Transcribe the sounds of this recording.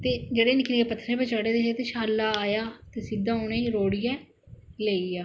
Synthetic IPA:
t̪eːd͡ʒeɽeːnɪkʰneːɡeːpət̪ʰːɾẽːpət͡ʃaːɽeːd̪eːʃet̪eːʃaːlːaːaːjaːt̪eːsid̪ãːoːnẽːiɾoːɽɪjɛ̃ː | leːiːaː

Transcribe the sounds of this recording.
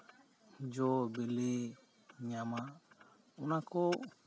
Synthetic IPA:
d͡ʒɔbele | ɲãmã | unãkɔ

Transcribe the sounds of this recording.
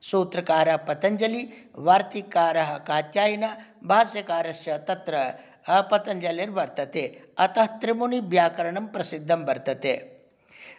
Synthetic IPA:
soːt̪ɾɐkaːɾɐpɐt̪ɐnd͡ʒɐliʋaːɾt̪ikaːɾɐɦɐkaːt̪jaːjinaː | bʱaːsjɐkaːɾɐsjɐt̪ɐt̪ɾɐ | pɐt̪ɐnd͡ʒɐleːɾʋɐɾt̪ɐt̪eːɐt̪ɐɦt̪ɾɪmunibjaːkɐɾɐɳɐmpɾɐsid̪ʱːɐmbɐɾt̪ɐt̪eː

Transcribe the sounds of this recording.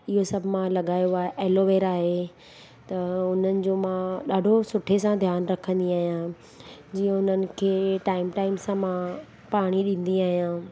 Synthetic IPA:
ɪɦosɐbʱɪmãlɐɠaːjoaːɦeʔɛːloʋeːɾaːɦe | t̪ɐʊn̤ənɪ̆d͡ʑoːmãɗaːɖʱosʊʈʰesãd̪ʱjaːnɾɐkʰə̃nd̪iaːɦijã | d͡ʑiːə̃ʊn̤ənɪ̆kʰeːʈaːɪmʈaːɪmsãmã | paːɽ̃iɗĩn̆d̪iaːɦijãː

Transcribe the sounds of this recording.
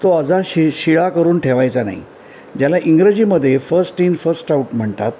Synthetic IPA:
t̪oəd͡zaɕɕiɭakəɾuːnʈʰeʋajt͡sana̰ɦḭ | d͡ʑjalaʔiŋɡɾəd͡ʑiːməd̪ʱːjefəɾsʈiːnfəɾsʈauʈm̤əɳt̪at̪̚

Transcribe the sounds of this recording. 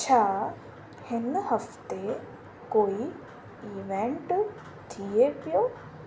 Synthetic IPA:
t͡ɕʰaː | hɪnhəft̪e | koːi | iːʋẽɳʈ | t̪ʰiepɪjoː

